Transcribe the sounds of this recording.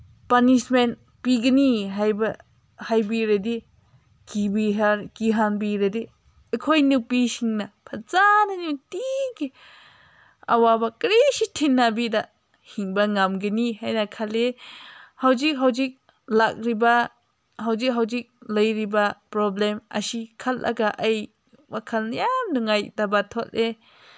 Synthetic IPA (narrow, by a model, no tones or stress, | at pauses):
panismen | piɡəniɦajba | hajbiɾedi | kibiɦaɾkiɦanbiɾedi | əkʰojnupisiŋnapʰazananitiki | a̰wabakɾesitʰinːabida | hiŋbaŋamɡeniɦajnakʰale | hawd͡ʒik̚ɦawd͡ʒik̚ | lak̚ɾiba | ɦawzikɦawd͡ʒik̚ləjɾibapɾɔblema̰sikʰalʔa̰ɡaʔaj | bakʰalnjamnuŋajdabat̪ʰɔle